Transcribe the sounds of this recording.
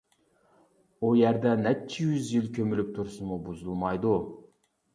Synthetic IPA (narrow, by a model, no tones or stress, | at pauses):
ojæɾd̪ænæt͡ʃʰːijyzilkʲʰɵmylyp̚t̪ʰʊɾsunmubuzulˠmɑjd̪u